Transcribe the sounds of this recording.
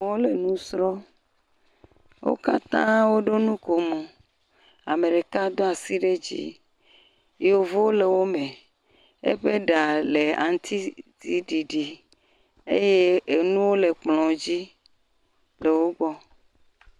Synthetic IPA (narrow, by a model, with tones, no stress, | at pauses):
wo˦le˨nũ˦sɾɔ˦ | wo̰˦ka̰˦t̪ã̰˦wo˦ɖo˦nũ˦ko˨mũ˨ | a˨me˨ɖe˨ka˦d̪ɔ˦a˨si˦ɖe˦d͡ʑḭ˦ | jo˨vo˦wo˦le˨wo˦mẽ˨ | ḛ˦ɸe˦ɖa˨le˨a̰˨ŋ˦t̪ʰi˦t̪i˦ɖi˨ɖi˨ | ḛ˦je˦e˨nũ˦wo˦le˨k͡plɔ̃˨d͡ʑi˦ | le˨wo˦ɡ͡bɔ˦